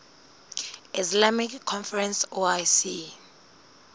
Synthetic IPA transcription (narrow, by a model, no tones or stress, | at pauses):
islamikʰːɔnfɛrɛnsoajsi